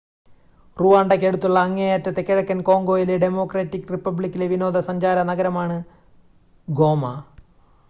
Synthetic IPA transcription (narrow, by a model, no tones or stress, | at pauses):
ruʋaːɳɖɐkʲːeɽut̪ːuɭːɐːŋːejɐtːɐt̪ːekːiɽɐkːɐnko̞ːŋɡo̞ːjileɖemo̞ːkreːtːikːripːɐbɭikʲːileʋino̞ːd̪ɐsɐɲd͡ʑaːɾɐnɐɡɐɾɐmaːɳɨ | ɡo̞ːmɐ